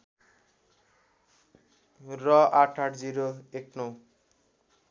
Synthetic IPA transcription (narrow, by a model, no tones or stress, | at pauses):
rʌaʈʰaʈʰd͡ziɾoeknɔw